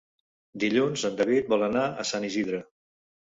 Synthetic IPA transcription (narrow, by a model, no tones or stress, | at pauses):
d̪iʎunzənd̪əβit̪̚bɔlˠənaə̰saniziðɾə